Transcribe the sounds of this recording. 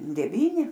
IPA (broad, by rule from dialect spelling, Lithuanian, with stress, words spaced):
dʲɛˈʋʲiːnʲɪ